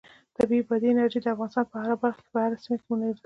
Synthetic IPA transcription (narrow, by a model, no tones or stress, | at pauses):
d̪̥əbebɑd̪iɪnaɾʒid̪əafɣɑnɪst̪ɑnpəhaɾabaɾxke̥bahaɾasimak̪munaɾd̪